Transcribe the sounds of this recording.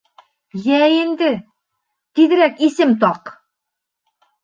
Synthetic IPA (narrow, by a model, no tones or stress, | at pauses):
jæind̪ɘ | t̪iðɘ̆ɾækisɘmt̪ɑq